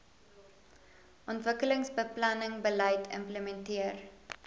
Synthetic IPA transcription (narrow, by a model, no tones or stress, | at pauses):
ʔɔntvəkələŋsbəplɐnəŋbəlɐjtʰə̰mpləmɛntiər